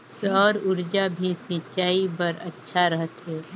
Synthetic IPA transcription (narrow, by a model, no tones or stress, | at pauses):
sɔːɾʊɾd͡ʒabʱisĩt͡ʃaːipɐɾɐtːʃʰaɾəɦət̪ɦɛː